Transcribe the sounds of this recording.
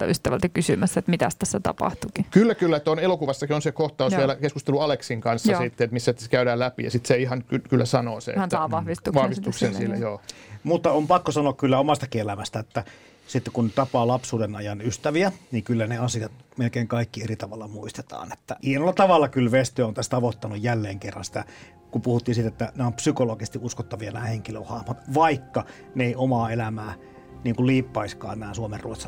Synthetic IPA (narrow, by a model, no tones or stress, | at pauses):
yst̪æʋælt̪ækysymæsːæet̪mit̪æ̰st̪æsːæt̪ɑ̰pɑ̰ht̪ukikylːækylːæt̪onelokuʋɑsːɑkionsekoht̪ɑusʋielækeskust̪eluɑleksiŋkɑnsːɑsit̪ːeet̪misːækæydæːlæpijɑ̰sit̪seihɑnkykylːæsɑnoːsḛɑʋɑhʋist̪ukʋɑhʋist̪uksensilːḛjoːmut̪ːɑompɑkːosɑnoɑkkylːæomɑst̪ɑkielæmæst̪æet̪ːæ | sit̪ːekunt̪ɑpɑːlɑpsuːdenɑjɑnyst̪æʋiæniːŋkylːæneɑsiɑt̪melkeːŋkɑikːierit̪ɑʋɑlːɑmuist̪e̥t̪ɑ̰ːne̥t̪ːæihenolːɑt̪ɑʋɑlːɑkylʋest̪øæont̪æst̪ɑʋot̪ːɑnujjælːeːŋkerːɑnsi̥t̪æ̰ | kumpuhut̪ːiːnsit̪æet̪ːæneompsykoloɡ̥ist̪iʔuskot̪ːɑʋijɑnæːheŋkiløhɑhmɑt̪ʋɑikːɑ | neeˑiomɑːelæmæː | niːŋkulliːpːɑiskɑ̰ːnæːsuomerrṵot̪sɑ